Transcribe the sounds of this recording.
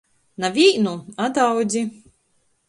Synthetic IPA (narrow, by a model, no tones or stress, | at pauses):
navʲiːnuad̪awd̪zʲi